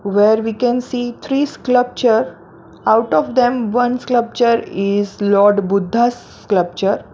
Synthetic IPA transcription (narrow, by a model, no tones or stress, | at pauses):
ʋeːɾʋiːkɛ̃nsiːt̪ʰɾiːskləp̚t͡ʃəɾ | aʊʈɔʋd̪ɛ̃mʋʌ̃nskləp̚t͡ʃəɾɪzlɔːɾɖbʊd̪ʱːas | kləp̚t͡ʃəɾ